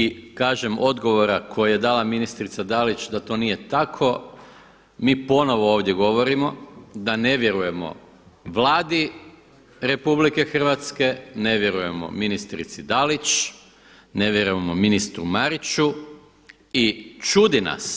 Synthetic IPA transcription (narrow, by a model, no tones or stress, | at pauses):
ikaːʒe̞mo̞d̪ɡo̞ʋo̞ɾakʰo̞jaje̞d̪aːlaminist̪ɾit̪sad̪alit͡ʃd̪at̪o̞nije̞t̪akʰo̞ | miːpo̞no̞ʋo̞oːʋd̪je̞ɡo̞ʋo̞ɾimo̞d̪ane̞ʋje̞ɾuje̞mo̞̰ | ʋlˠaːd̪i | ɾe̞publike̞xr̩ʋat̪ske̞ne̞ʋje̞ɾuje̞mo̰minist̪ɾḭt̪sid̪alit͡ʃ | ne̞ʋje̞ɾujemo̞minist̪ɾumaɾit͡ʃu | it͡ʃud̪ina̰s